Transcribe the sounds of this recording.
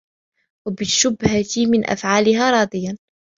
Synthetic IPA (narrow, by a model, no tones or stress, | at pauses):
wabɪʃʊbhat̪ɪmɪnʔa̰fʕaːlɪhaːɾˤɑːd̪ˤɪjan